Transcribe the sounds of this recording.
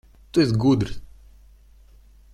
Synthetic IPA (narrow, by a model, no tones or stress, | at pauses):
t̪uesɡud̪ɾ